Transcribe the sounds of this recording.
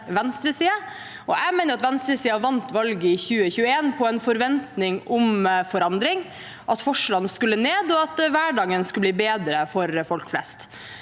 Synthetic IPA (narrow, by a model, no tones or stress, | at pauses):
ʋɛnst̪ɾəsiːɑ | ʔɔʔæɪmeɪnəɾɑt̪ʋɛnst̪ɾəsiːɑʋɑnt̪ʋɑlɡəɪçʉːəçʉːəeːnpʰɔɛnfɔɾʋɛnt̪nɪŋʊmfɔɾɑnd̪ɾɪŋ | ʔɑt̪fɔʂlɑnːəskʉlːəneːd̪ɔɑt̪ʋæːɖɑːɡənskʉlbliːbeːd̪ɾəfɔɾfɔlkflɛ̰st̪